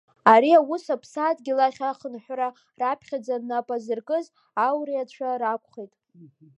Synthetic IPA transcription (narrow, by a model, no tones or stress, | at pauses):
aɾiausapʰsadʼɡʲɪlaχʲaχənħᶣʷra | rapʰχʲad͡zanapʼazɨrkʼɨz | awɾiat͡ɕʷʰarakʷʼχejtʼ